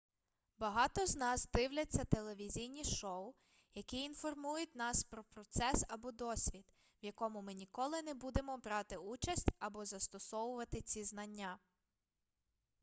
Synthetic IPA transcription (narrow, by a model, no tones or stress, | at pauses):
bɐɦɑt̪ɔznɑzd̪ɪwlʲɐt͡sʲːɐt̪e̞lˠe̞ʋʲizʲijnʲiʃɔʊ | jɐkiːnfɔrmujʊtʲnɑspɾɔpɾɔt̪sɛsɐbɔd̪ɔsʲʋʲid̪ | wjɐkɔmʊmɪnʲikɔlˠɪnebud̪e̞mɔbɾɑt̪ɪut͡ʃɐsʲtʲɐbɔzɐst̪ɔsɔwʊʋɐt̪ɪt͡sʲiznɐnʲːa